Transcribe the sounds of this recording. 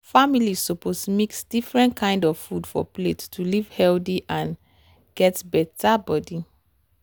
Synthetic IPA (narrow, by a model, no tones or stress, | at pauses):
familisɔposmiksd̥ifɹɛ̃ntkʰãɪ̃ndɔv̥fudfɔ̰plettulivhɛldiʔãn | ɡ̥ɛtbɛtabɔdi